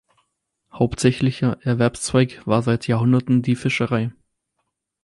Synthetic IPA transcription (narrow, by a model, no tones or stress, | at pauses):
haʊptz̥ɛçlɪçɐʔɛɐvɛɐpst͡sv̥aɪkv̥aːɐzaɪtjaːɐhʊndɐtn̩diːfɪʃəʁaɪ